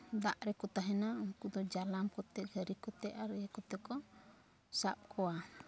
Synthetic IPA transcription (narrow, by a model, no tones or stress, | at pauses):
d̪aʔɾɛkɔt̪aɦɛnaɔŋkud̪ɔd͡ʒalamkɔt̪ɛʔɡəɾikɔt̪ɛʔaɾəjɛkɔt̪ɛkɔ | sap̚kʰɔwa